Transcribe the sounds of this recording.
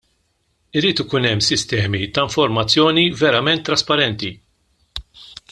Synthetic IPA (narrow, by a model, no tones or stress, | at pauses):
ɪɾiːt̪ɪkuːnɛmːsɪst̪ɛːmit̪ɐɪɱfɔɾmɐt͡sːjɔːnivɛɾɐmɛnt̪ːɾɐspɐɾɛnt̪i